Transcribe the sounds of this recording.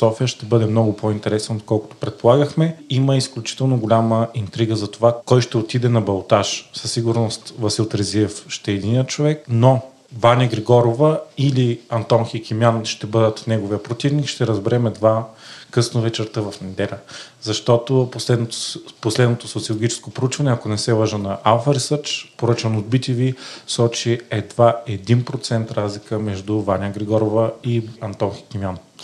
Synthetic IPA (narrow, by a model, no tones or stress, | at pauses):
sɔfijəʃt̪ɛbɤd̪ɛmnɔɡʊpoint̪ɛɾɛsnoot̪̚kɔlˠkʊ̥t̪o̥pɾɛt̪̚polˠaɡəxmɛiməisklʲut͡ʃi̥t̪ɛlˠnoɡolʲaməint̪ɾiɡəzɐt̪ovakɔjʃt̪ɛot̪id̪ɛnɐbɐlˠt̪aʃsɐsːiɡʊɾnost̪vɐsiot̪ɾɐziɛfʃt̪ɛːd̪inʲijət̪t͡ʃovɛk̚no | vanʲəɡɾɛɡɔɾovəiliɐnt̪ɔnxikʲimjanʃt̪ɛbɤd̪ət̪nɛɡovijəpɾot̪ivnikʃt̪ɛɾɐzbɛɾɛmɛd̪vakɤsnovɛt͡ʃɛɾt̪əvɐfnɛd̪ɛlʲə | zɐʃt̪ɔt̪oposlɛd̪noposlɛd̪not̪osot̪siolˠoɡʲit͡ʃɛ̥skopɾout͡ʃvɐnɛɐkonɛsɛvˠəʒənɐʔalˠfəɾisɤɾt͡ʃpoɾɤt͡ʃɐnod̪̚bit̪ʲivisɔt͡ʃiɛd̪vaɛd̪inpɾot̪sɛnt̪ɾazlikəmɛʒd̪ʊvanʲəɡɾɛɡɔɾovəiɐnt̪ɔnxi̥kʲimjan